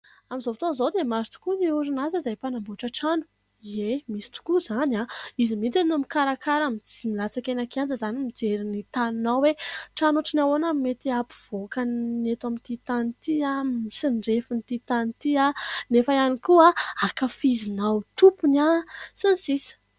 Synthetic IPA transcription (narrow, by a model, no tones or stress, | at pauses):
amizovat̪ozowd̪emazi̥t̪u̥kuniuɾinazəzajpanambuʈ͡ʂəʈ͡ʂanu̥ | iemisi̥t̪u̥kuzanaizimint͡sininumikaɾakaɾamit͡similat͡sakenakand͡zəzanimid͡ʒeɾinit̪aninawweʈ͡ʂanuʈ͡ʂinawonamet̪iapi̥v̥okannet̪amint̪it̪anit̪iamisinɖ͡ʐefint̪it̪anit̪ianefaanikuaakafizinawt̪upunasinisisi̥